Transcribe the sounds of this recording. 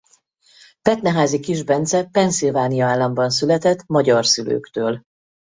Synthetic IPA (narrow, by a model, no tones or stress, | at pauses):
pɛt̪nɛɦaːzikiʒbɛnt̪sɛpɛnsilvaːnijɒaːlːɒmbɒnsylɛt̪ɛt̪ːmɒɟɒrsylø̰ːkt̪øːl